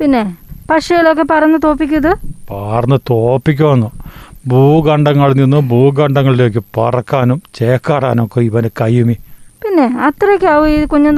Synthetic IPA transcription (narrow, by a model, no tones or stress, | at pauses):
pinːe̞pɐʂɐjilo̞k̬ːe̞pɐrɐnːɨt̪o̞ːpːikʲːuɐðɨpaːrɐnːɨt̪oːpːikʲːuʋɐnːubuːɡɐɳɖɐŋːɐɭninːubuːɡɐɳɖɐŋːɐɭileːk̬ʲːɨpɐrɐkːaːnumt͡ɕe̞ːkːaːɽaːnumkːoiʋɐnɨkɐjumipinːe̞ɐt̪rɐkʲːɨɐʋɨikuɲːun